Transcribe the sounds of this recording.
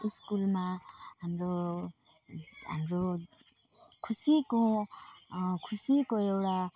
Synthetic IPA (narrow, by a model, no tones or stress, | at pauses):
iskulmaamɾo | a̰mɾo | kʰusiko | kʰusikoewɽa